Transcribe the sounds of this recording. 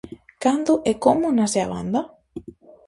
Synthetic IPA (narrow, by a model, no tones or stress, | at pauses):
kand̪ʊʔɛkomʊnasea̰βa̰nd̪a